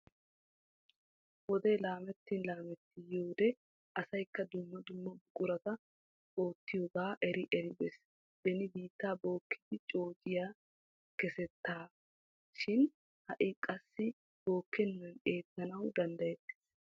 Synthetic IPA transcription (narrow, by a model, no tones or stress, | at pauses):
wɔd̪eːlaːmɛt̪ːɪnlaːmɛt̪ːɪjoːd̪ɛ | ʔɐsɐjkːɐd̪ʊmːɐd̪ʊmːɐbʊkʼʊɾɐt̪ɐ | o̞ːt̪ːɪjoɡaːʔɛɾɪʔɛɾɪbɛs | b̪ɛnɪbiːt̪ːaːbo̞ːkːɪd̪ɪt͡ʃʼo̞ːd͡ʒɪjaː | kɛsɛt̪ːaː | ʃɪn | hɐʔɪkʼɐsːɪ | b̥o̞ːkːɛnːɐne̞ːt̪ːɐnɐwd̪ɐnd̪ɐjɛt̪ːɛ̥